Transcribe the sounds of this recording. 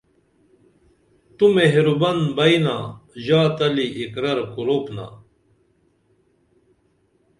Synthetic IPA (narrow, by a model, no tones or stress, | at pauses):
t̪umeɦeɾubɐnbɐjnaːʑaːt̪ɐliʔikɾɐɾkuɾoːpna̰